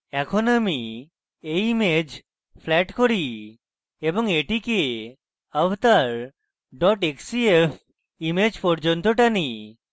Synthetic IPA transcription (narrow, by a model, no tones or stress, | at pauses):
ɛkʰonami | ejimed͡ʑ | pʰlɛʈkoɾi | eboŋeʈike | abt̪aɾ | ɖɔʈeksiepʰ | imed͡ʑpɔɾd͡ʒont̪oʈani